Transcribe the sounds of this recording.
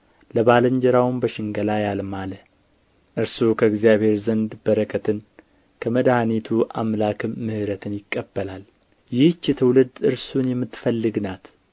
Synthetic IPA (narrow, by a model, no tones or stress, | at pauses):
ləβaləɲd͡ʒɛɾawmbəʃɪŋɡəlajalmalə | ʔɨɾsukʰəɨɡzijaβhe̞ɾzənd̪bəɾəkʰət̪ʰɨn | kʰəməd̪hanit̪ʰuʔa̰mlakʰɨmːɨhɨɾət̪ʰɨnjɪkʼːəbːəlal | jɪht͡ʃːɛt̪ʰəwlɨd̪ɨɾsunjɛmːɨt̪ːfəlːɨɡnat̪